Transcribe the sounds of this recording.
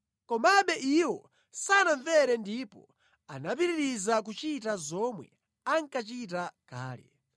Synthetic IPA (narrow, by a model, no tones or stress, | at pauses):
kɔmaɓɛʔiwɔ | sanaɱvɛɾɛndipɔ̰ | a̰nap̬iɾiɾizak̬ut͡ʃitazɔmwɛ | aŋkat͡ʃit̬akaːlɛ̰